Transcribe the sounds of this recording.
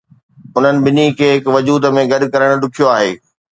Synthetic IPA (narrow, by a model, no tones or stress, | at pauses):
ʊn̤ənɪ̆bɪnikʰeːɦɪkʋɐd͡ʑuːd̪mẽɡɐɗ̆kɐɾəɽ̃ʊɗʊkʰijoaːɦḛː